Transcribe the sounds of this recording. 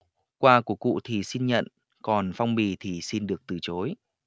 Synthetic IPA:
kwaː˧ku˧˩əkṵ˧˨t̪ʰi˨˩si˧nɲə̰˧˨n | kɔ˨˩nfa˧wŋ͡mɓi˧˨˩t̪ʰi˨˩si˧nɗɨ˨˩ək̚t̪ɨ˨˩t͡ɕo˨˦j

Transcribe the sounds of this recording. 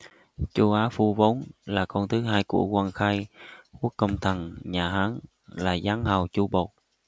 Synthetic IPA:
t͡ɕu˧ʔaː˨˦fu˧vo˨˦nlaː˨˩kɔ˧nt̪ʰɨ˨˦ɦaː˧jkṵ˧˩əkwaː˧nxaː˧jku˦˥əkːə˧wŋ͡mt̪ʰə˨˩nɲaː˨˩ɦaː˨˦n | laː˨˩zaː˨˦ŋhə˨˩wt͡ɕu˧ɓo˨˩t̚

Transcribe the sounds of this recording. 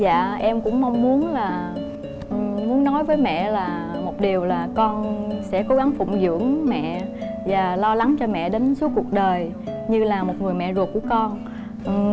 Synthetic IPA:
za̰ː˧˨ʔɛ˧mkʊ̰˧˥ŋ͡mma˧wŋ͡mmu˨˦ənlaː˨˩ | ʔmu˨˦ənːɔ˨˦jvəː˨˦jmɛ̰˧˨laː˨˩mo˨˩t̚ɗi˨˩əwlaː˨˩kɔ˧nsɛ̰˧˥ko˨˦ɣa˨˦ŋfʊ̰˧˨ŋ͡mzɨ̰˧˥əŋmɛ̰˧˨vaː˨˩lɔ˧la˨˦ŋt͡ɕɔ˧mɛ̰˧˨ɗe˨˦nsu˨˦əkːu˨˩ək̚ɗəː˨˩j | ɲɨ˧laː˨˩mo˨˩t̚ŋɨ˨˩əjmɛ̰˧˨zu˨˩k̚u˧˩əkɔ˧n | ʔ

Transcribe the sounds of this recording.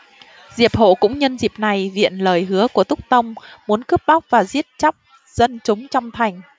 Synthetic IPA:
zi˨˩əp̚ho̰˧˨kʊ̰˧˥ŋ͡mɲə˧nzi˨˩əp̚na˨˩jvḭ˧˨ənləː˨˩jɦɨ˨˦əku˧˩ət̪ʊ˦˥k͡p̚t̪ə˧wŋ͡mmu˨˦ənkɨ˦˥p̚ɓa˦˥wk͡p̚vaː˨˩zi˦˥ət̚t͡ɕa˦˥k͡p̚ | z̥ə˧nt͡ɕʊ˨˦ŋ͡mt͡ɕɔ˧wŋ͡mt̪ʰa˨˩jŋ̟

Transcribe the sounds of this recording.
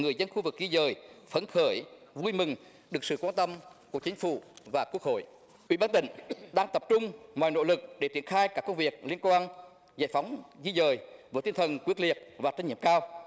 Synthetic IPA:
ŋɨ˨˩əjzə˧nxu˧vɨ˨˩k̚zi˧zəː˨˩jfə˨˦nxəː˧˩jvu˧jmɨ˨˩ŋ | ɗɨ˨˩əksɨ̰˧˨kwaː˧nt̪ə˧mku˧˩əkt͡ɕï˨˦ŋ̟fṵ˧˩vaː˨˩ku˦˥ək̚ho̰˧˨j | ʔḭ˧˥ɓaː˧nt̪ï˧˩˦ŋ̟ɗaː˧ŋt̪ə˨˩p̚t͡ɕʊ˧ŋ͡mmɔaː˨˩jno̰˧˥lɨ˨˩k̚ɗe˧˩t̪i˧˩ənxaː˧jkaː˦˥kːə˧wŋ͡mvi˨˩ək̚li˧ənkwaː˧n | za̰˧˩jfa˨˦wŋ͡mzi˧zəː˨˩jvəː˧˦jt̪i˧nt̪ʰə˨˩nkwi˦˥k̚li˨˩ət̚vaː˨˩t͡ɕa˧ŋ̟ḭ˧˩mkaː˧w

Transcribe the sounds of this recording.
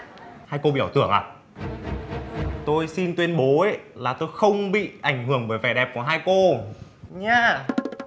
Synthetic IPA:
haː˧jko˧ɓḭ˧˨əː˧˩wt̪ɨ̰˧˩əŋʔaː˨˩ | t̪o˧jsi˧nt̪wi˧ənɓo˨˦e˧˦laː˨˩t̪o˧jxə˧wŋ͡mɓḭ˧˨ʔa˧˩jŋ̟hɨ˧˩əŋvəː˨˩jvɛ˧˩ɗɛ˨˩p̚kːɦaː˧jko˧ | ɲaː˧

